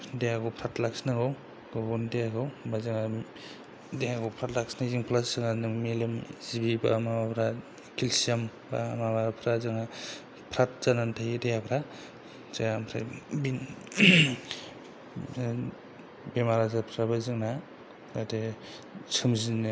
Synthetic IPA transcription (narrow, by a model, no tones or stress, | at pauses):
dejaɡɔpʰɾatlaksnaɡɯw | ɡɔbɔndejaɡɯwbazɯŋa | dejaɡɔwpʰɾatlaksnaziŋpʰlaszɯŋanɯmelɯmzibibamabapʰɾa | kʰilsiam | bamabapʰɾazɯŋa | pʰɾat̚z̥anantʰajdejapʰɾa | zaampʰɾa̰bin | bemaɾazapʰɾabazɯŋna | date | sʰɯmzin